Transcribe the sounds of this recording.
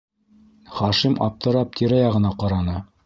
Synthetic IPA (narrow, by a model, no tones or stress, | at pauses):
χɑʃimɑ̰p̚t̪ɤ̆ɾɑp̚t̪ʰiɾæjɑʁɤ̆nɑqɑɾɑnɤ